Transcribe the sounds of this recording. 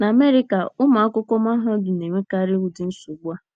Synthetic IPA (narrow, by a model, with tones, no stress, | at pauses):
na˨me˦ɾi˦ka˨ʊ˦ma˨a˦kʊ˦kɔ˦m˦a˦ɦɔ˦dʊ˨ne˨ŋe˦ka˦ɾɪ˦wu˨dɪ˦n̩˦sʊ˨ɡ͡bʷa˦